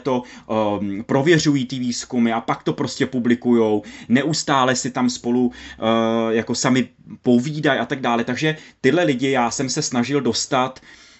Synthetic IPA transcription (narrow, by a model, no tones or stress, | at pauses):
t̪o̞ | pɾo̞vjɛr̝ujiːt̪ɪviːskumɪapakt̪o̞pɾo̞scʲɛpublɪkujo̞wnɛʔust̪aːlɛsɪt̪amspo̞lu | jako̞samɪpo̞viːdajʔat̪aɡ̚daːlɛt̪aɡʒɛt̪ɪdlɛlɪɟɪjaːsɛmsɛsnaʒɪldo̞st̪at̪